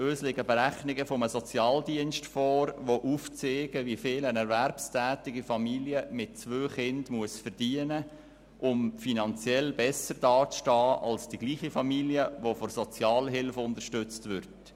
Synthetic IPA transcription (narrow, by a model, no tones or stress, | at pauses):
øːslɪɡəbəɾæχnɪɡəfɔməsɔt͡sjɑːldiənstfɔːɾʋoʔuft͡seːɡəʋifɪːlənɛɾvæɾpstʰæːtɪɡifɑmiljəmɪt̚t͡sʋøːχɪndmuəsfərd̥iənə | ʔʊmfinɑnt͡sjɛlbɛsəɾd̥ɑːt͡sʃtɑːɑlsd̥iɡ̥liːχifɑmiljəʋofɔɾsɔt͡sjɑːlɦɪlfʊndərʃtʏt͡stʋʏɾt